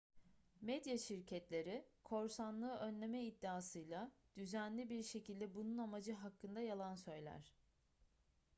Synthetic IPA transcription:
mɛd̪jaʃiɾcʰɛt̪lʲe̞ɾikʰo̞ɾsanlˠɯːʔø̞nlʲe̞mɛid̪ːaːsɯjlˠad̪̥yzænlʲibiɾʃe̞cilʲd̪ɛbununamad͡ʒɯɦakʰːɯnd̪ajalˠansø̞jlʲæ̰ɾ̝̥

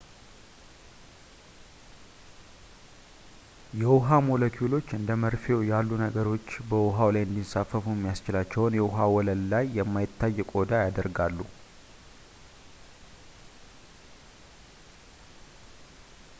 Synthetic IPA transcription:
jɛwʊɦamo̞ləkʰulo̞t͡ʃːɨnd̪əməɾfewjalːunəɡəɾo̞t͡ʃːbəwʊɦawlajɨnd̪insafːəfujmːijast͡ʃɪlat͡ʃːɛwnjɛwʊɦawɔləlːajːɛmːajɪt̪ːajːɛkʼo̞d̪ajad̪əɾɡalːu

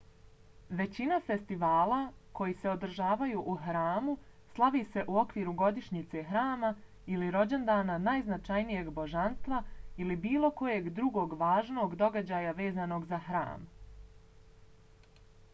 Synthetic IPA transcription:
ʋe̞t͡ɕinafe̞st̪iʋaːlako̞jise̞o̞d̪ɾ̩ʒaːʋajuːʔuxɾaːmuslˠaʋiːse̞ʔuo̞kʋiːɾuɡo̞d̪iʃɲit̪se̞xɾaːma | iliɾo̞d͡ʑe̞nd̪aːnanajznat͡ʃajnije̞ɡbo̞ʒanst̪ʋailibiːlo̞ko̞je̞ɡd̪ɾuɡo̞ːɡʋaːʒno̞ːɡd̪o̞ɡad͡ʑaːjaʋe̞ːzano̞ːɡzaxɾa̰ːm

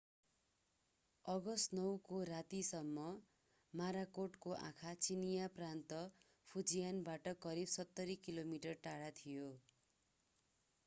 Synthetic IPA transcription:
ʌɡʌst̪nʌwkoɾat̪isʌmːʌ | maɾakoʈkoʔã̰kʰat͡sinijaprant̪ʌ | pʰud͡zijanbaʈʌkʌɾibsʌt̪ːʌɾikilomiʈʌrʈaɽat̪ʰijo

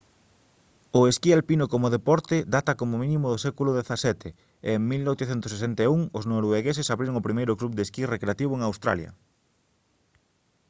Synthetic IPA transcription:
ʊeskialpinʊkomʊðepɔɾt̪ɪd̪at̪ɐkomomĩnimʊðʊsɛkulʊðeθasɛt̪e | eŋmilnojt̪eθɛnt̪ʊsesɛnt̪euŋoznoɾoeɣesɪsaβɾiɾoŋʊpɾimejɾʊklup̚d̪eskirekɾeat̪iβoeŋawst̪ɾa̰ljɐ̰

